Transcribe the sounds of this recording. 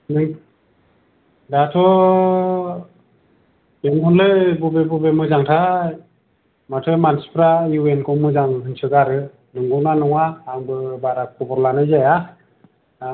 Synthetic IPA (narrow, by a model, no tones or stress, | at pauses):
nɯ | datʰɔ | bemkʰɔnlɯbubebɔbemɯzaŋtʰaj | matʰɯmanspʰɾaiwenkʰɔmɯzaŋɦɯnsɯɡaɾɯ | nɯŋɡɔwnanɔŋaːŋbɯbaɾak̚ʰɔbɔɾlanajzaja